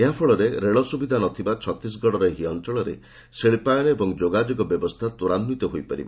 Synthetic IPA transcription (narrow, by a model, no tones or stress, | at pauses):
eɦapʰɔɭɔɾeɾeɭɔsubid̪ʱanɔt̪ʰibat͡ʃʰɔt̪ɾis̬ɡɔɽɔɾeɦiɔnt͡ʃɔɭɔɾḛ | seɭpajɾeebɔŋd͡ʒoɡad͡ʒɔɡɔbjɔbɔst̪ʰat̪uɾanmit̪ɔɦojpaɾḭba